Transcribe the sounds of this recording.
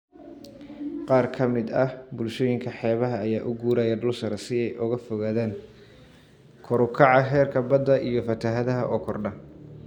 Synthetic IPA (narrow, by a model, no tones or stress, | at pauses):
qɑːrkʰɐmɪd̪ɐhbʊlʃɔːjɪŋkʰɐħɛːβɐɦɐːjaːʔʊɡuːɾaːjɐɖʊlsɐɾɐsɪɛjʔʊɣɐfɔɣaːðeːn | kʰɔɾʊkʰɑʕɑɦɛːrkʰɐbɐd̪ːɐʔijɞfɐt̪ʰɐɦɐðɐɦɐʔɔːkʰɔrɖɐ